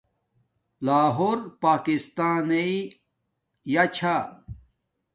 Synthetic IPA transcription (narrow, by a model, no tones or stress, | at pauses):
laːɦoːɾpaːkist̪aːnei | jat͡ɕʰa